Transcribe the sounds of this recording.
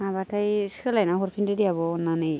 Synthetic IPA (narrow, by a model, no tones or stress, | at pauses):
abatajskʰɯlajnaɦoɾpʰindedijabɔːnːanej